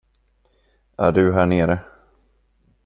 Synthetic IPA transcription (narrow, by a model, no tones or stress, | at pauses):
ʔæɖɵɦæːɳeːɾə